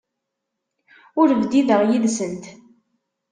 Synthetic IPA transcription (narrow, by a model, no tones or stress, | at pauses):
ʊɾvd̪iðəʁjiðsənt̪